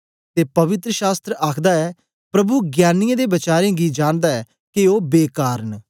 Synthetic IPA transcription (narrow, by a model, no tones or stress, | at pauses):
t̪eːpɐʋɪt̪ɾəʃaːst̪ɾəʔaːkʰd̪aːɛː | pɾəbuːɡjaːnɪjãːd̪eːbət͡ʃaːɾẽːɡiːd͡ʒãːnd̪aːɛː | kɪoːbeːkaːɾən